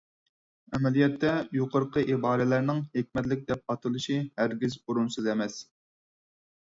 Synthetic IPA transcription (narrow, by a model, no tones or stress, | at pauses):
ɛmɛlijɛt̪ʰːɛjoqʊɾqʰəʔibɑːɾɛlæɾnɪŋhekʲmɛt̪lɪk̚ʲd̪ɛp̚ɑt̪ʰɨlˠɨʃihæɾɡʲizuɾunsɨzɛmɛs